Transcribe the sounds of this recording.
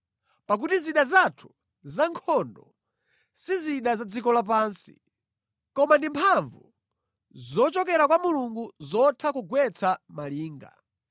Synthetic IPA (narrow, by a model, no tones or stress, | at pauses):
pak̬utiziɗazatʰu̥ | zaŋkʰɔndɔ | siziɗazad͡zikɔlap̬aːnsi̥̰ | kɔmandimpʰaɱvu | zɔt͡ʃɔkɛɾakwamuluŋɡuzɔtʰakuɡwɛt͡samaliːŋɡa̰